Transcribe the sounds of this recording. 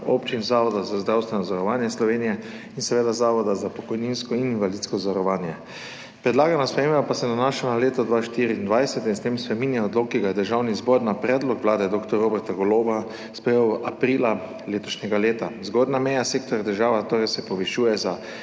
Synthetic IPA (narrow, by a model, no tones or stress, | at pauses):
o̰pt͡ʃinzaːʋɔd̪azazd̪ɾawst̪ʋɛnɔzaɾɔʋaːnjɛslɔʋeːnijɛ | insɛʋeːd̪azaːʋɔd̪azapɔkɔjninskɔininʋalit̪skɔzʋaɾɔʋaːnjɛ | pɾɛd̪laːɡanaspɾɛeːmapasɛnanaːʃanaleːt̪ɔd̪ʋaʃt̪iːɾiːnd̪ʋajsɛt̪inst̪emspɾɛminjɛɔd̪loːkːiɡajɛd̪əɾʒawnizbɔɾnapɾɛːd̪lɔkʋlaːd̪ɛd̪oːkt̪ɔɾobɛɾt̪aɡɔloba | spɾɛjewapɾila | leːt̪ɔʃɲɛɡaleːt̪azɡɔd̪namɛjaseːk̚t̪ɔɾjad̪əɾʒaːʋat̪oːɾɛjsɛpɔʋɛʃuːjɛza